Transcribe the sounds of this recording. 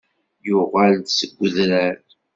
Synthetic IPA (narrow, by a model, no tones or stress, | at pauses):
jʊʁəld̪səɡʷːəðɾæɾ